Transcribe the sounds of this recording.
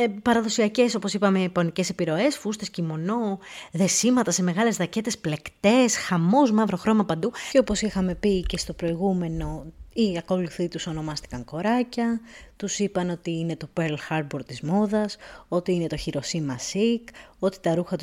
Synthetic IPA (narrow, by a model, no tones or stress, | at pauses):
pɐɾɐðo̞siɐce̞sopo̞sipɐme̞ponice̞se̞piɾo̞e̞sfust̪escimo̞no̞ðe̞simɐt̪ɐse̞me̞ɣɐle̞zðɐce̞t̪e̞sple̞kt̪e̞sxɐmo̞zmɐvɾo̞xɾo̞mɐpɐnd̪uo̞po̞sixɐme̞pice̞st̪opɾo̞iɣume̞no̞iɐko̞luθit̪uso̞no̞mɐst̪i̥kɐŋko̞ɾɐcɐt̪usipɐno̞t̪iine̞t̪o̞peɾlxɐɾd̪boɾt̪izmo̞ðɐso̞t̪iine̞t̪o̞çiɾo̞simɐsiko̞t̪i̥t̪ɐɾuxɐt̪u